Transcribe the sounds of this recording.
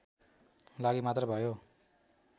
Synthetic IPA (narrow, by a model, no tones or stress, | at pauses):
laɡimat̪rʌbʱʌjo